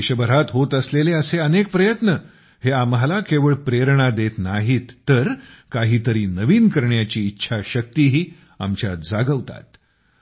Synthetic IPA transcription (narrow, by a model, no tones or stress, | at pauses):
ɕəbəɾat̪ɦot̪əsleleəseənek̚pɾəjət̪nə | heamɦalakeʋəɭpɾeɾɳ̃ad̪et̪naɦit̪ːəɾkaɦiːt̪əɾiːnəʋiːnkəɾɳjat͡ɕiːtːɕʰaɕək̚t̪iːɦiː | a̰mt͡ɕja̰t̪̚d͡zaɡəʋt̪a̰t̪